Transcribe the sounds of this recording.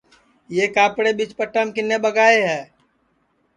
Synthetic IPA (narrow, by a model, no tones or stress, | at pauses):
jeːkaːpɽebit͡ʃpəʈːəmkɪnːebəɡaːeɦɛː